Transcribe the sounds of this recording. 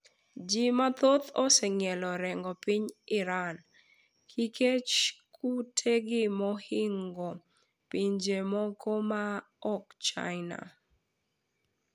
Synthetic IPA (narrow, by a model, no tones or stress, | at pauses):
d͡ʒimat̪ot̪ɔsɛŋjɛlɔɾɛŋɡɔpiɲɪɾan | kʰikʰet͡ʃkutʰeɡɪmɔhɪŋɡɔ | piɲd͡ʒemɔkʰɔma | ɔkt͡ʃa̰ɪna̰